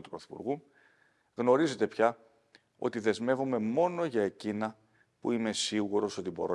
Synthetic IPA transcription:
t̪upɾoθi̥pṵɾɣu | ɣno̞ɾize̞t̪e̞pçɐ | o̞̰t̪iðe̞zme̞vome̞mo̞no̞ʝɐe̞cinɐ | pṵime̞siɣuɾo̞so̞t̪ibo̞ɾo

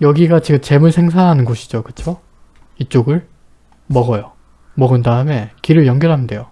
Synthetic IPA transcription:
jʌɡiɡat͡ɕiɡɯmt͡ɕe̞muɭsʰeŋs̬ʰaɦanɯnɡoɕʰi̥d͡ʑokɯt͡ɕʰo | it͡ɕ͈oɡɯɭ | mʌɡʌjo | mʌɡɯndaɯme̞kiɾɯɭjʌŋɡjʌɭɦamde̞jo

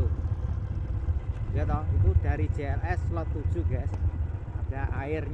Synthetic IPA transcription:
ɡɛt̪ɔik̪uɖ̥a̤ɾid̥d͡ʒ̥eɛlɛslɔt̪ːud̥ʒ̥uɡɛs | ad̥a̤ʔaɪrɲ

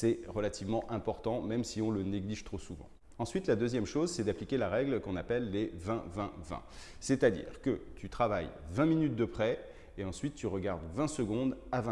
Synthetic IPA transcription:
sɛʁəlat̪ivmɑ̃ʔɛ̃pɔʁt̪ɑ̃mɛmsiɔ̃ləneɡliʒt̪χosuvɑ̰̃ | ɑ̃sɥit̪lad̪øzjɛmʃozsɛd̪aplikʲelaʁɛɡlkɔ̃napɛlːevɛ̃vɛ̰̃vɛ̰̃ | sɛt̪ad̪ḭːʁkət̪ʰyt̪χavajvɛ̃minyt̪̚d̪əpχɛ | eɑ̃sɥit̪ːyʁəɡaʁd̪vɛ̃səɡɔ̃d̪avɛ̃

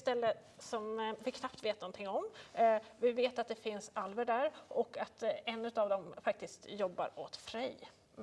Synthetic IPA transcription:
st̪ɛlːə | sɔmvɪkʰnapt̪veːt̪nɔnt̪ʰɪŋːɔm | vɪveːt̪at̪̚d̪ɛfɪnsalvəɖæɾʔɔkːat̪ɛnːʉ̟t̪avd̪ɔmfak̚t̪ɪskt̪jɔbːa̰ɾot̪fɾɛj

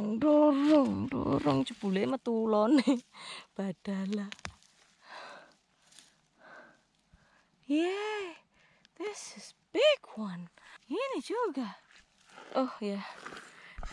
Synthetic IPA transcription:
ŋdoɾɔŋdo̰ɾɔŋt͡ʃəb̥ulemət̪ulɔneb̥ad̥ala | jɛ | ðɪsɪsbiɡwaninid͡ʒoɡa | ʔɔhja

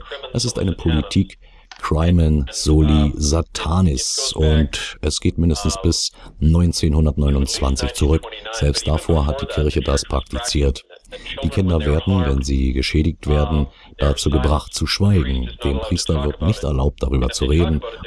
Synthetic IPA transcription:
ʔɛsɪstʔa̰ɪnəpʰolitʰiːkː | ʁ̥aɪmɛnz̥oːlizatʰaːnɪsʔʊntʔɛsɡ̥eːtmɪndəstn̩sb̥ɪsnɔʏnt͡seːnhʊndɐtnɔʏnʊnt͡sv̥a̰nt͡sɪçt͡suʁʏkz̥ɛlpst̚d̥afoːɐɦat̚d̥iːkʰɪɐçədaspʁ̥ak̚tʰit͡siːɐt | d̥iːkʰɪndɐveːɐdn̩vɛnzḭːɡəʃɛːɾɪçtv̥eːɐdn̩ | d̥at͡suːɡəbʁaχt̚t͡suʃv̥aɪɡŋ̩d̥eːmpʁ̥iːstɐvɪɐtnɪçtɛ̰ɐlaʊp̚td̥aʁyːbɐt͡suʁeːdn̩

